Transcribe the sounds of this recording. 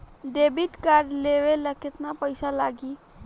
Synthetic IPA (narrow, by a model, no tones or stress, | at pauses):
ɖebiʈkaɾɖleʋeləket̪napəjsalaɡi